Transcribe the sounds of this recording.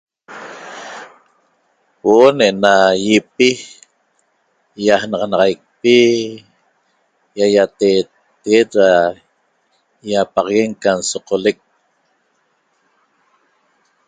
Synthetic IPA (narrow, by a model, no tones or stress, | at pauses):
woʔoneʔenajipi | jahnɑʁɑnɑʁɑjk̚pi | jajat̪eːt̪ːeɣet̪ɾa | japɑʁɑɣe̞ŋkansoqolek̚